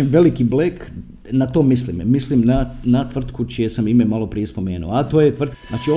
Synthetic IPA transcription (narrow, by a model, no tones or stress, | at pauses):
emʋe̞likiblek | nat̪o̞ːmislḭmmislimnanat̪ʋr̩t̪kut͡ʃijesamimemalo̞pɾijespo̞me̞ːnṵoat̪o̞ːjet̪ʋr̩t̪naːt͡ʃio